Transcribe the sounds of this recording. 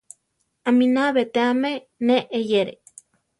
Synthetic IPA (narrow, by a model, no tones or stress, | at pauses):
aminaβet̪eame | neʔːjeɾḛ